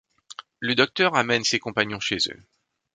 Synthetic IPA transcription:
ləd̪ɔk̚t̪œʁamɛnsekɔ̃paɲjɔ̃ʃezø̰

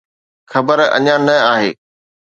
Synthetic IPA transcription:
xɐbəɾɐ̰ɲãnɐaːɦḛː

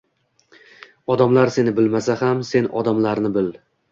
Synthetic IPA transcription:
ɒd̪amlaɾse̞nɪbɪlmasahamse̞nʔɒd̪amlaɾnɪbɪlɪ

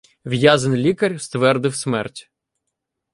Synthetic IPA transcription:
ʋjazɐnlʲikɐɾʲst̪ʋɛrd̪ɪwsmɛrtʲ

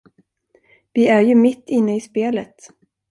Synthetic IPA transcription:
vɪæɾjɵmɪt̪ːɪnːəɪspeːlət̪

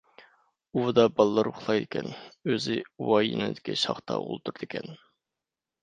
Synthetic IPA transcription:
ud̪ɑbɑlˠːɑɾʊχlˠɑjd̪ɪkʲʰɛnøzɪwɑjinɪ̰d̪ɪkʲiʃɑ̰χt̪ʰɑ̰ṵlˠt̪ʰuɾd̪ɪkʲʰɛn

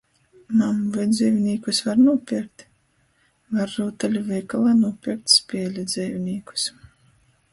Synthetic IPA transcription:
mamuvajd̪ziːvʲnʲiːkusvaɾnuɔpʲiɾk̚t̪ | vaɾːuːt̪alʲuvʲɛjkalˠaːnuɔpʲiɾk̚t̪ʲspʲiɛlʲid̪zʲɛːvʲnʲiːku̥s

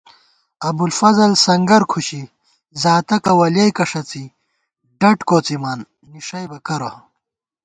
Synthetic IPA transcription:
ɐbulfɐzɐlsɐŋɡɐɾkʰuɕi | zaːt̪ɐkɐwɐljɐjkɐʂɐt͡si | ɖɐʈkoːt͡simaːnː | iʂɐjbɐkɐɾo

